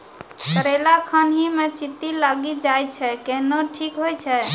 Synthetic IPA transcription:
kəɾelakʰənɦimet͡ʃit̪ːilaɡid͡ʒajt͡ʃʰɛkeɦnoʈʰikɦojt͡ʃʰɛ

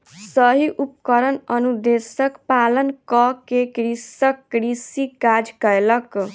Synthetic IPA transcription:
səɦiʔupkəɾənənud̪esəkpalənkɔkekɾisəkːɾisikad͡ʒkəjlək

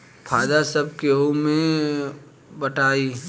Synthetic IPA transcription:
pʰaːd̪asəb̚keomẽ | bəʈʰaːi

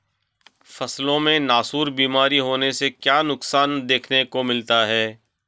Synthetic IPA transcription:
fɐslõmẽnaːsuːɾbiːmaːɾiɦoːnesekjaːnʊksaːnd̪eːkʰnekomɪlt̪aɦɛː

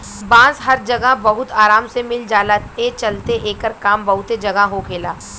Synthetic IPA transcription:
bãːsɦɐɾd͡ʒɐɡəɦbɐɦʊt̪aːɾaːmsemɪld͡ʒaːlat̪et͡ʃɐlt̪eʔeːkəɾkaːmbɐɦʊt̪ed͡ʒɐɡəɦokʰeːlaː

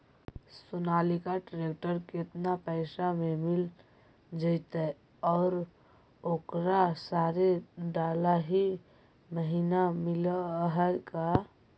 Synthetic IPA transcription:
sunalikaʈɾek̚ʈəɾket̪napəɪsamemil | d͡ʒəɪt̪ə | ɔːɾ | okɾasaɾeɖalaɦi | məɦinamiləɦəjka

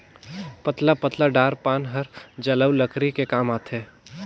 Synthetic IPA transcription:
pɐt̪lapət̪laɖaːɾpaːnɦɐɾd͡ʒɐləwləkɾikekaːmaːt̪ʰeː

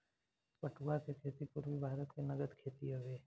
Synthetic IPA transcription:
pəʈuakekʰeːt̪ipʊɾbʱibʱaːɾət̪kenɐɡəd̪kʰeːt̪iɦoʋeː

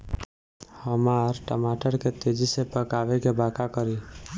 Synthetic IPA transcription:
həmaɾʈəmaʈəɾket̪ed͡ʒisepəkaʋekebakakəɾi

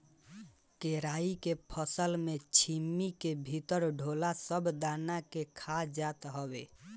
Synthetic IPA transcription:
keɾaikepʰəsəlmet͡ʃʰimːikebʱit̪əɾɖʱolasəbd̪anakekʰad͡ʒat̪ɦəbe

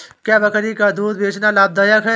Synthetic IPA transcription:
kjaːbɐkɾikad̪uːd̪̚beːt͡ʃnalaːb̚d̪ajəkɦɛ

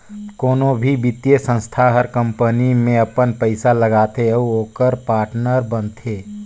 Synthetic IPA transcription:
koːnõbʱibit̪jesə̃nst̪ʰaɦəɾkə̃mpənimẽɐpənpəɪsaləɡaːt̪eəuoːkəɾpaːɾʈnəɾbənt̪ʰeː

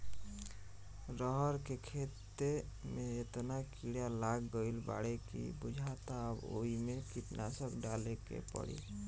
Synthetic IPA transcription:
ɾəɦəɾkekʰet̪ːemeet̪nakiɽjalaɡːəilba̰ɽekḭbud͡ʒʱat̪aəbo̰imekipnʔasəkɖalekḛpə̰ɽḭ

